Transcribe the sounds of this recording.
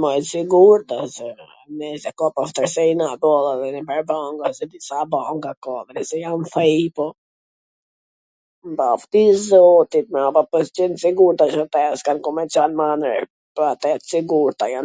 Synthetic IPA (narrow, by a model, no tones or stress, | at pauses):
mɔjɛt̪siɡuɾt̪asɛ | nɛsɛkɔpaft̪əɾsɛinabɔlˠaðɛnɛbɛɾbaŋɡasɛd̪isabaŋɡakɔðɛnɛsɛjanfɛpɔ | mbaft̪izɔt̪it̪̚mɛapapəst͡ʃɛnsiɡuɾt̪at͡ʃat̪ɛskankɔmɛt͡ʃanmanə̰ɾ | pɔat̪ɛt̪siɡuɾt̪ajan